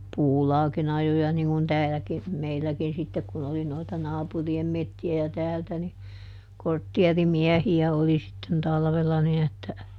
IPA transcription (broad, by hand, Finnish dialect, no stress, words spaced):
puːlɑːkin ɑjojɑ niŋ kun tæːlæki meilːækin sitːek kun oli noitɑ nɑːpuriem metːiæ jɑ tæːltæ ni kortːiɛrimiɛhiæ oli sitːen tɑlʋelːɑ nin etːæ